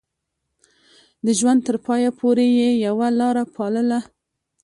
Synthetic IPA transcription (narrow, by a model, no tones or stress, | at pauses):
d̪əʒwand̪̚t̪əɾpɑjapʰoɾejejawalɑɾapʰɑləla